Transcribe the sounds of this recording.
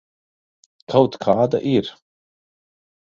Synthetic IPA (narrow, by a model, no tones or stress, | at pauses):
kʰawt̪kʰaːd̪aʔiɾ̥